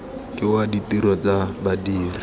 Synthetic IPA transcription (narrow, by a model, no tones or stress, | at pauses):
kiwaditiɾɔt͡sabadiːri